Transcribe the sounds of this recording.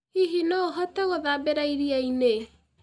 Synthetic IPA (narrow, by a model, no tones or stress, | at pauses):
iɦinɔoɦɔtɛɣoðabeɾaiɾiaine